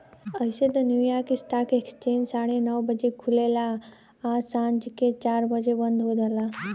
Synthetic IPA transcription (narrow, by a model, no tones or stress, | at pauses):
əɪset̪onjuːjaːɾkisʈaːkeksə̥t͡ʃẽːd͡ʒsaːɽenəʋbəd͡ʒekʰulela | aːsãːɲd͡ʒket͡ʃaːɾbəd͡ʒebə̃nd̪ʱɦod̪əlaː